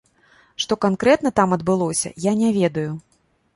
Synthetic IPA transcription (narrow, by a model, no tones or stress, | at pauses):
ʂt̪ɔkankɾɛt̪nɐt̪amɐd̪bɨlˠɔsʲɐ̰janʲɛvʲɛd̪ɐju